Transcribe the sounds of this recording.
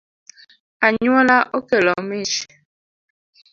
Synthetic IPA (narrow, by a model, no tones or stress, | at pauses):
aɲɔlaʔokelɔmiʃi̥